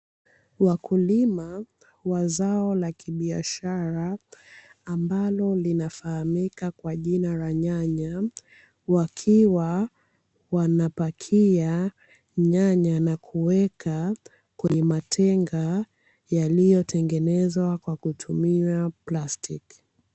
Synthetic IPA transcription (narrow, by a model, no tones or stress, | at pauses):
wakulima | wazaɔlakiɓia̰ʃaɾaː | mbalɔlinafahamikakwaʄinalaɲaɲa | wakʰiwa | wanapakʰia | ɲaɲanakʰuwɛkʰa | kwɛɲɛmatʰɛŋɡa | jalijɔtʰɛŋɡɛnɛzwakwakutʰumiaplastik